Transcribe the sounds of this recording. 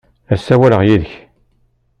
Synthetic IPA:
æsːæwæləʁjiðəç

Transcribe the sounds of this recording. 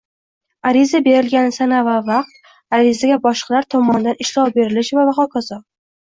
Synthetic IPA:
aɾizabe̞ɾɪlɡʲanɪsanavavaq̚t̪̚ | aɾizaɡʲabɒʃqʰɑlaɾt̪ʰɒmɒnd̪anɪʃlɒwbe̞ɾɪlɪʃvamaχɒkʰazɒ

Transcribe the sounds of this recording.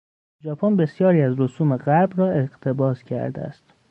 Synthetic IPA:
d͡ʒɒːpʰonbe̞sjɒːɾiːæzɾosuːme̞ɣæɾbrɒːe̞ɣt̪ʰe̞bɒːscʰæ̰ɾd̪ḛæ̰st̪

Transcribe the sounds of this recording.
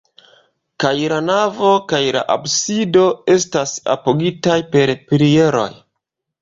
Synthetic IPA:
kajlanavo̞kajla̰ʔabsido̞e̞stasa̰poɡitajpe̞ɾpɾie̞ɾo̞̰j

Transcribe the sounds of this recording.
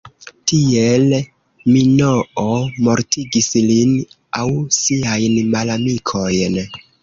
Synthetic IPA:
tiel | minoomo̞ɾtiɡislin | awsiajnmalamikʰo̞jn

